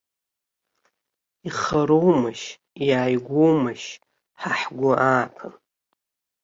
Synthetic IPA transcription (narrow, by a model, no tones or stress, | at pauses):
iχaɾowmaʃ | jaːjɡʷowmaʃ | ħaħɡʷʊʔaːpʰan